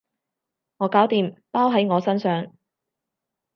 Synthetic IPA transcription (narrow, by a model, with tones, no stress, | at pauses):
ŋɔː˨˧kaː˨˥wt̪iː˨mpaː˥wɦɐ˨˥jŋɔː˨˧sɐ˥nsœː˨ŋ